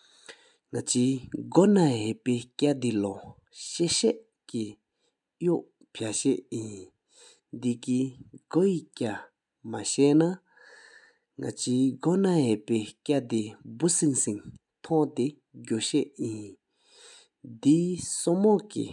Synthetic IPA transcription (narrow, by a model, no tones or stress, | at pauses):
ŋat͡ɕiɡɔnaɦeʔpekʲad̪ilɔ | ɕeɕɛʔ | ki | joʔ | pʰjaɕeʔjin | d̪ikiɡojikʲa | maɕɛʔna | ŋa̰t͡ɕiɡɔnaɦeʔpekʲaʔd̪ibusinsiŋ | t̪ʰɔ̃ʔt̪e | ɡoɕɛʔjin | d̪isɔmɔʔkḭ